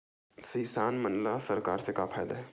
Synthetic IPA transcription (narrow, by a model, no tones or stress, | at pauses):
siːsaːnmənlasɐɾkaːɾsekaːpʰaːd̪aɦɛː